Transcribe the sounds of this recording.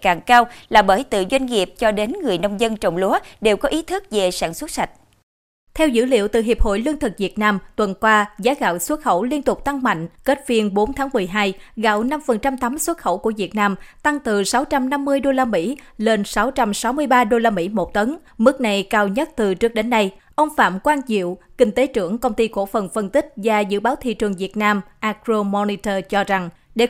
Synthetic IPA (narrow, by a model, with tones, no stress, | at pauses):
kaː˨˩ŋkaː˧wlaː˨˩ɓəː˧˩jt̪ɨ̰˧˨zwa˧jŋ̟ŋi˨˩əp̚t͡ɕɔ˧ɗe˨˦nŋɨ˨˩əjnə˧wŋ͡mzə˧nt͡ɕə˨˩wŋ͡mlu˨˦əɗe˨˩wkɔ˨˦ʔi˨˦t̪ʰɨ˦˥k̚ve˨˩saː˧˩nswə˦˥t̚sa˨˩jk̚ | t̪ʰɛ˧wzɨ̰˧˥lḭ˧˨əwt̪ɨ̰˨˩ɦi˨˩əp̚ho̰˧˨jlɨ˧əŋt̪ʰɨ˨˩k̚vi˨˩ət̚naː˧mt̪wə˨˩nkwaː˧zaː˨˦ɣa̰ː˧˨wswə˦˥t̚xə̰˧˩wli˧ənt̪ʊ˨˩k͡p̚t̪a˧ŋma̰˧˨jŋ̟kə˦˥t̚vi˨˩ənɓo˨˦nt̪ʰaː˨˦ŋmɨ˨˩əjɦaː˧jɣa̰˧˨wna˧mfə˨˩nt͡ɕa˧mt̪a˨˦mswə˦˥t̚xə̰˧˩wku˧˩əvi˨˩ət̚naː˧mt̪a˧ŋt̪ɨ˨˩sa˨˦wt͡ɕa˧mna˧mːɨ˧əjɗo˧laː˧mḭ˧˥ | le˧nsa˨˦wt͡ɕa˧msa˨˦wmɨ˧əjɓaː˧ɗo˧laː˧mḭ˧˥mo˨˩t̚t̪ə˨˦n | mɨ˦˥k̚na˨˩jkaː˧wɲə˦˥t̚t̪ɨ˨˩t͡ɕɨ˦˥ək̚ɗe˨˦nːa˧j | ʔə˧wŋ͡mfa̰ː˧˨mkwaː˧nt͡ɕḭ˧˨wkï˧ŋ̟t̪e˨˦t͡ɕɨ˧˩əŋkə˧wŋ͡mt̪i˧ko̰˧˥˩fə˨˩nfə˧nt̪ï˦˥k̟̚vaː˨˩zɨ̰˧˨ɓaː˨˦wt̪ʰḭ˧˨t͡ɕɨ˨˩əŋvi˨˩ət̚naː˧mʔaː˧kzo˧mɔ˧ni˧t̪əː˧t͡ɕɔ˧za˨˩ŋ | ɗe˧˩